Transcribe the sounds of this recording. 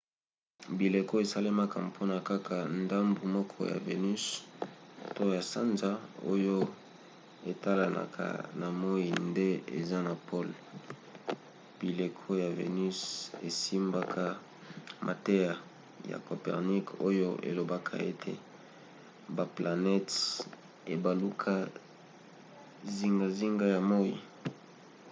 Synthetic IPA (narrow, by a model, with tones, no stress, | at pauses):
bi˨le˨ko˦e˨sa˦le˦ma˦kʰa˨pʰo˦na˨ka˦kʰa˨nda˦mbu˨mɔ˦kʰɔ˦ja̰˨vḛ˨ny˦s | to˦ja˨sa˦nza˦o̰˦jo˦ | e˨ta˦la˨nʔa̰˨kʰa̰˨na˨mo˦i˨nde˦ḛ˨za˦na˨pʰo˦l | b̥i˨le˨kʰo˦ja˨vḛ˨ny˦se˨si˦mba˦kʰa˦ | mʔa˨te˦ja˨ | ja̰˨ko˨pɛ̰˨ʁni˦ko˦jo˦ʔḛ˨lo˨ba˦kʰa̰˨ḛ˦tʰḛ˨ | ba˨pla˨nɛ˦t | e˨ba˨lu˦kʰa˦ | zi˦ŋɡa˨zi˦ŋɡa˦ja˨mo˦ḭ˨